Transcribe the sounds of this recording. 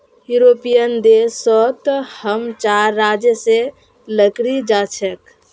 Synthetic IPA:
juɾopijənd̪esɔt̪həmt͡ʃaɾːad͡ʒjəse | ləkɾid͡ʒat͡ʃʰɛk

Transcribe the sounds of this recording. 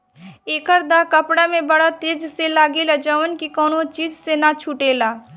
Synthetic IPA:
eːkəɾd̪akəpɽamẽbəɽat̪eːd͡ʒselaːɡilad͡ʒəʋənkikɔːnõt͡ʃiːd͡ʒsenat͡ʃʰuʈeːlaː

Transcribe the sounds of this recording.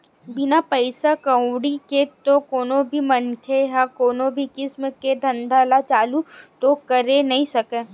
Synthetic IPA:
bɪnapəɪsakɐ̃wɽiket̪okoːnobʱimɐnkʰeɦakoːnobʱikɪsmked̪ʱɐ̃nd̪ʱaːlat͡ʃaːlut̪okɐɾenɐɦĩsɐkeː

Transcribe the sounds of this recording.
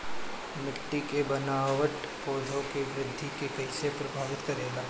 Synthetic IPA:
mɪʈːikebɐnaːʋəʈ | poːd̪ʱõkeʋɾɪd̪ʱːikekɛɦːsepɾɐbʱaːd͡ʒɪt̪kɐɾeːlaː

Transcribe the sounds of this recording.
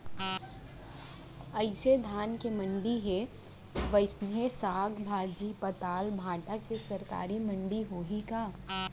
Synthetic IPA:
ɐɪsed̪ʱaːnkemɐ̃ɳɖiɦe | ʋɐɪsnesaːɡbʱaːd͡ʒipɐt̪aːlbʱaːʈakesɐɾka̰ːɾimɐ̃ɳɖiɦoɦikaː

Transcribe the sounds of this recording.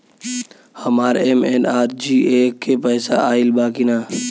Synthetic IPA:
hɐmaːɾemenaːɾd͡ʒiːekːepɛːsa̰aːɪlbaːkinaː

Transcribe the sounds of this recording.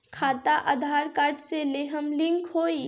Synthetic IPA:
kʰat̪aʔad̪ʱaɾkaɾʈseleɦəmliŋkɦoi

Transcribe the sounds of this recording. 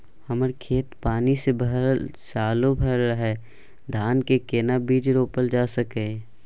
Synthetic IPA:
həməɾkʰeːt̪paːnisebʱəɦsaːlobʱɛɾɦɛː | d̪ʱaːnkekeːnabiːd͡ʒɾoːpəld͡ʒaːsəkẽː

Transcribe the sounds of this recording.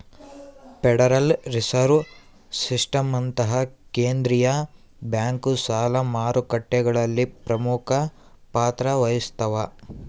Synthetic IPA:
peɽɐɾɐlɾisɐɾʋ | sisʈɐmɐnt̪ɐɦɐkeːnd̪ɾijɐ | bjaːŋkusaːlɐmaːɾukɐʈːɛɡɐɭɐlːipɾɐmukʰɐ | paːt̪ɾɐʋɐjist̪ʰɐʋɐ

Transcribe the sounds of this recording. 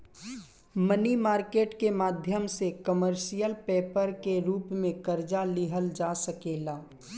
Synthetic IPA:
mənimaːɾkeːʈkemaːd̪ʱjəmsekəməɾʃijəlpeːpəɾkeɾuːpmẽkəɾd͡ʒalɪɦəld͡ʒaːsəkeːlaː

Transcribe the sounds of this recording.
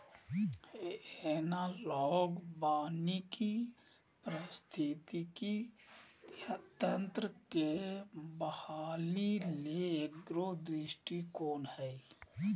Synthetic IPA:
ɛnalɔːɡbaːniki | pɾəst̪ʰit̪iki | t̪ənt̪ɾəkebəhaːlileeɡɾod̪ɾɪʃʈikoːnhɛi

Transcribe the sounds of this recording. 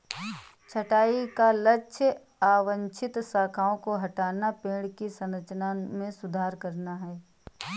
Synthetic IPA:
t͡ʃʰɐʈaːikalɐːʃʰə | aːʋə̃nt͡ʃʰɪt̪saːkʰaːõkoɦɐʈaːnapẽːɽkisɐ̃nɾət͡ʃnamẽsʊd̪ʱaːɾkɐɾnaɦɛː

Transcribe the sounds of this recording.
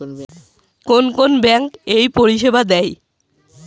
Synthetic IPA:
konkonbɛŋkejpoɾiʃebad̪ɛj

